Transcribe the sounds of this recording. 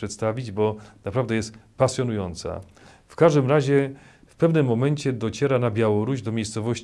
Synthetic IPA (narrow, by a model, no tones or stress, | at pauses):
ʂɛt̪st̪avʲid͡ʑbɔnapɾavd̪ɛjɛst̪ | pasʲjɔnujɔnt̪sa̰ | fkaʐd̪ɘmɾaʑɛ | fpɛvnɘmːɔmɛɲt͡ɕɛd̪ɔt͡ɕɛɾanabʲjawɔɾuʑd̪ɔmʲejst̪sɔvɔɕt͡ɕ